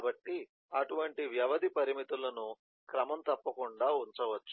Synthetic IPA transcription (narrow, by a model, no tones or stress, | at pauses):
bɐʈːi | ɐʈuʋɐɳʈiʋjɐʋɐd̪ipɐɾimit̪ulɐnu | kɾɐmɐmt̪ɐpːɐkuɳɖaːunt͡ʃɐʋɐt͡ʃːu̥